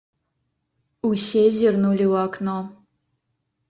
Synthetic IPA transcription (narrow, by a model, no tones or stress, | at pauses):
usʲezʲirnulʲiwɑkno